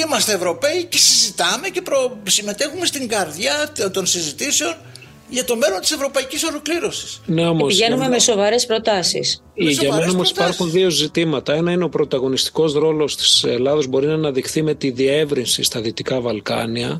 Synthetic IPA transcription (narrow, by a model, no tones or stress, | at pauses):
imɐst̪eːvɾo̞pe̞ice̞sizit̪ɐme̞ce̞pɾosime̞t̪e̞xume̞st̪iŋɡɐɾðʝɐt̪o̞nsizit̪iseo̞n | ʝɐt̪o̞me̞lo̞nt̪i̥se̞vɾo̞pɐiciso̞lo̞kliɾo̞si̥sneomosiʝe̞nume̞me̞so̞vɐɾe̞spɾo̞t̪ɐsḭs | ʝɐmenɐomo̞si̥pɐɾsxunðio̞zit̪imɐt̪ɐe̞nɐineo̞pɾo̞t̪ɐɣo̞nist̪i̥ko̞zɾo̞lo̞st̪i̥selɐðo̞zbo̞ɾinɐnɐðixθime̞t̪iðie̞vɾinsist̪ɐðio̞t̪ikɐvɐlkɐ̰niɐ